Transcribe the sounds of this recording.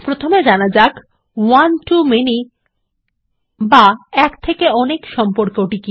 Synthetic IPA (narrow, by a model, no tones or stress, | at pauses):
pɾot̪ʰomed͡ʑanad͡ʑak | wanʈumeni | baɛkt̪ʰekeɔnekʃɔmpoɾkoʈiki